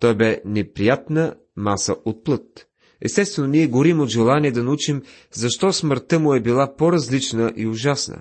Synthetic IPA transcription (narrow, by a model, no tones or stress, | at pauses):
t̪ɔjbɛnɛpɾijat̪nə | masəʔot̪̚plˠɤt̪ | ɛ̰st̪ɛst̪vɛnoniɛɡoɾimod̪ʒɛlˠaniɛd̪ɐnɐut͡ʃim | zɐʃt̪ɔsməɾt̪əmʊɛbilˠapoɾɐzlit͡ʃnəʔiʊʒasnə̰